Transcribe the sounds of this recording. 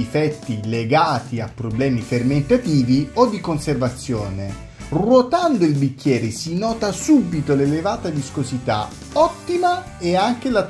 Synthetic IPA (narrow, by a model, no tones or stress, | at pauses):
ifɛt̪ːileɡaːt̪iapːɾoblɛːmiferment̪at̪iːviod̪ːikonservat̪sːjoːne | rwot̪and̪oilbikːjɛːɾesinɔːt̪asubit̪olelevaːt̪ad̪iskozit̪a̰ | ɔt̪ːima | eaŋk̟ela